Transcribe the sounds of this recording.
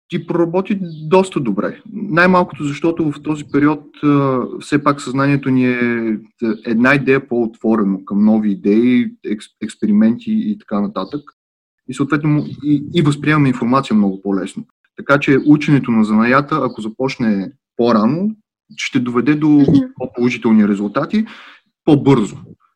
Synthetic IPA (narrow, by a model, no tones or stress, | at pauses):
t̪ʲipɾoɾɐbɔt̪id̪ɔst̪əd̪obɾɛ̰najmalˠko̥t̪ozɐʃt̪ɔt̪ʊvɐft̪ɔzipɛɾiɔt̪əfsɛpaksɐznaniɛt̪oniɛ | ɛd̪naid̪ɛjəpoot̪v̥ɔɾɛnokɐmnɔviːd̪ɛiɛsɛkspɛɾimɛnt̪ʰiːt̪ɐ̥kanɐt̪at̪ək | isoːt̪vɛt̪noiivəspɾʲiɛmɐmɛinfoɾmat̪sijəmnɔɡʊpɔlɛsno | t̪ɐkat͡ʃɛʔut͡ʃɛnɛt̪onɐzɐnɐjat̪əɐkozɐpɔt͡ʃnɛ | poɾano | ʃt̪ɛd̪ovɛd̪ɛd̪opopolˠoʒit̪ɛlˠniɾɛzʊlˠt̪at̪i | pobɤɾzo